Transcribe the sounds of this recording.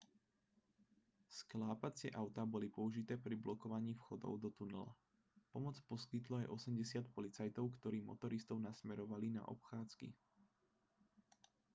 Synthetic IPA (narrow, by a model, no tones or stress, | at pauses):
sklaːpat͡sɪɛʔaʊt̪abɔlipɔuʒit̪ɛːpɾiblɔkɔʋaɲiːfxɔd̪ɔ̰ʊd̪ɔt̪unɛla̰ | pɔmɔt͡spɔskit̪lɔajʔɔsɛmɟɛsɪat̪̚pɔlit͡sajt̪ɔʊkt̪ɔɾiːmɔ̰t̪ɔɾist̪ɔʊnasmɛɾɔʋalina̰ʔɔ̰pxaːt͡skḭ